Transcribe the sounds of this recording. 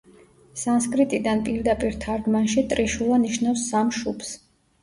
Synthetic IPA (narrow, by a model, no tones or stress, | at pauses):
sans̬kʼɾit̪ʼid̪anpʼiɾd̪apʼiɾt̪ʰaɾd̪manʃit̪ʼɾiʃulˠaniʃnafsːamʃupʰs